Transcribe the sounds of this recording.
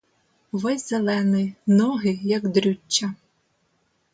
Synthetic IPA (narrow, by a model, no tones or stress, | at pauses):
ʋɛzʲzelˠɛnɪnɔɦɪjɐkd̪ɾʲut͡ʃːɐ